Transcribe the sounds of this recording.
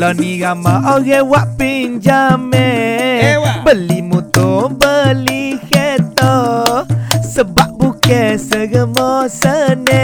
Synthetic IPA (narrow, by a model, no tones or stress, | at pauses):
lɔniɡamaʔɔɣɛwaʔpind͡ʒamɛ | bəlimut̪obəlikɛt̪ɔ | səbaʔbukɛsəɡəmɔsənɛ